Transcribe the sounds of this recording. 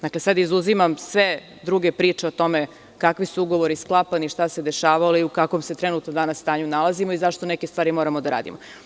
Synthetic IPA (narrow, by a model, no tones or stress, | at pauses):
d̪akle̞sad̪izuzimamsʋe | d̪ɾuɡe̞pɾiːt͡ʃeot̪o̞me | kakʋisuuɡo̞ʋo̞ɾisklˠapaniʃt̪ase̞d̪e̞ʃaːʋaliukako̞mse̞t̪ɾenut̪nod̪anasːt̪aːɲunalˠazimoizaʃt̪onekest̪vʋaːɾimo̞ːɾamod̪aɾa̰ːd̪ḭmo